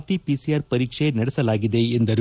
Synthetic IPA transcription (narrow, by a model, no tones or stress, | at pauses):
ʈːipisiaːɾpɐɾɪt͡ʃeːnɐɽɐsɐlaːɣɪðeːɛnd̪ɐɾ